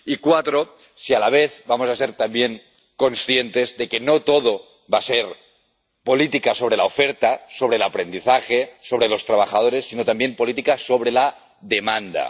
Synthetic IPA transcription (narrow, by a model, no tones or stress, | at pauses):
ikwat̪ɾo | sialaβ̞eθβamosaseɾt̪ambjeŋ | ko̞nsθje̞nt̪e̞zðe̞ke̞not̪oðo | βaseɾ | po̞lit̪ikaso̞βɾe̞laofeɾt̪aso̞β̞ɾelapɾe̞nd̪iθaxeso̞β̞ɾe̞lo̞st̪ɾaβ̞axað̞o̞ɾe̞sːinot̪ambje̞mpo̞lit̪ikaso̞βɾela | ðemãnd̪a̰